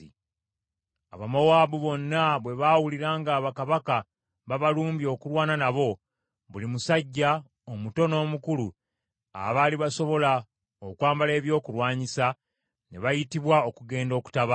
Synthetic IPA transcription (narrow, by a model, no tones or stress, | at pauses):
a̰βamowaːβuβo̞nːaβwe̞βawuliɾaːŋɡaːβakaβaka | βaβaluːmbio̞ːkulwaːnanaβo̞ | βulimusaɟːa | omuto̞no̞ːmukulu | a̰βaːliβaso̞βo̞la | okwaːmbale̞ːβjo̞ːkulwaːɲisa | ne̞βajitiβwao̞kuɡe̞ːndo̞ːku̥taβa